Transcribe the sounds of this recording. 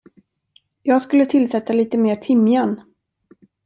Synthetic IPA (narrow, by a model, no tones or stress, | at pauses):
jɑːɡskɵlːət̪ʰɪlsɛt̪ːaliːt̪əmeːt̪ʰɪmjan